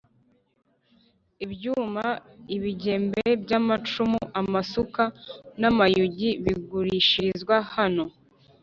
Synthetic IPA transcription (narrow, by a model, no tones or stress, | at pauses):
ibɟuːmaiβiɟe̞ːmbebɟamat͡ʃumuʔamasukanamajuɟiβiɡuɾiʃizɡwahano̞